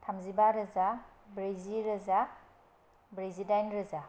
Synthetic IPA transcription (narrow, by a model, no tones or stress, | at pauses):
tʰamzibaɾɯza | bɾeziɾɯza | bɾezidajnɾɯza